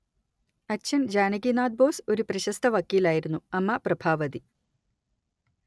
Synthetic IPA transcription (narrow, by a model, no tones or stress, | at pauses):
ɐtːɕʰɐnd͡ʑaːnɐɡinaːd̪̚boːsoɾupɾɐɕɐst̪ʰɐʋɐkːiːlaːjiɾunːuɐmːapɾɐbʱaːʋɐd̪i